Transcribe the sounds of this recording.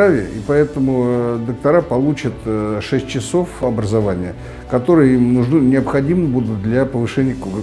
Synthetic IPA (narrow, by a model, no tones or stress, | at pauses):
avʲɪ̰ḭpɐɛt̪əmʊd̪ək̚t̪ɐɾapɐlˠut͡ɕət̪ʂɛsʲtʲt͡ɕɪso̞fɐbɾəzɐvanʲɪjə | kɐt̪o̞ɾɨjəimnʊʐnɨnʲɪɐpxɐdʲimɨbud̪ʊt̪̚d̪lʲɐpəvɨʂɛnʲɪjək